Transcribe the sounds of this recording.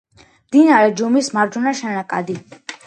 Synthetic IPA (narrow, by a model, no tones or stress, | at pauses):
md̪inaɾɛd͡ʒumismaɾd͡ʒunaʃɛnakʼa̰d̪i